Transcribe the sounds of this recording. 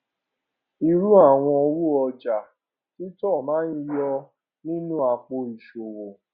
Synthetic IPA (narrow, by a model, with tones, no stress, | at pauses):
i˧ɾu˦a˦˨w̃ɔ̃˧ɔ˧ɾu˦˨ɔ˧d͡ʒa˨ | ki˦tɔ˦˨mãː˨˦ni˦˧jɔ˧ | nĩ˦nũ˦a˨k͡po˧i˨ʃo˨wo˨